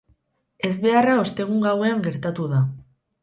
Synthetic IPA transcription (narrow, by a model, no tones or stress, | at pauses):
e̞zβe̞arao̞st̪e̞ɣ̞uŋɡawe̞aŋɡe̞ɾt̪at̪uða